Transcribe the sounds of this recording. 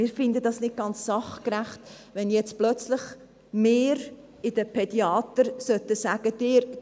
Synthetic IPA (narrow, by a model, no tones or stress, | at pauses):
ɪːɾfɪndədɑsnɪt̚ɡ̥ɑnt͡ssɑχkɾæχt | ʋɛnjɛt͡splœt͡slɪχ | meːɾ | ɪd̥əpʰɛd̥iɑːt̪əɾsœt̪əsæːɡ̥əd̥ɪːɾ